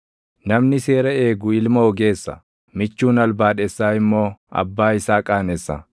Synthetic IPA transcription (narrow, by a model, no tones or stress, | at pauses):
nɐmnɪse̞ːɾɐeːɡʊɪlmɐɔɡe̞ːsːɐ̰ | mɪt͡ʃːuːnɐlbaːᶑɛsːaːɪmːo̞ːɐ̰bːaːɪsaːkʼaːnesːɐ̰